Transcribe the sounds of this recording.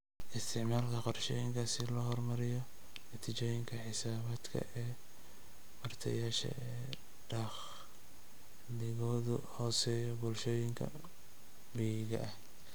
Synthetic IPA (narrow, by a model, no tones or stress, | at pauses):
ʔɪst̪ʰɪʕmaːlkʰɐqɔrʃɔːjɪŋkʰasɪlɔɦɔrmɐɾɪjɔ | nɐt̪ʰɪt͡ʃɔːjɪŋkʰɐħɪsaːβaːd̪kʰɐ̰ʔɛː | wɐrt̪ʰɐjaːʃɐ̰ɛː | ɖɐχ | lɪɣɔːðʊhɔːsɛːjɔbʊlʃɔːjɪŋkʰɐ̰ | biːɣɐ̰ʔɐh